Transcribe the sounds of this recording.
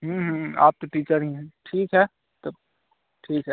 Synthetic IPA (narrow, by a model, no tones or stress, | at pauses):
ɦũːɦa̰ːp̚t̪oʈiːt͡ʃəɾɦĩɦɛ̃ʈʰiːkɦɛ | t̪o | ʈʰiːkɦɛ